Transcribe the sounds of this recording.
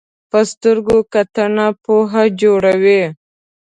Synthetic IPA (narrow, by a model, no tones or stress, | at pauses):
pəst̪əɾɡokat̪ənapoɦad͡ʒoɽawe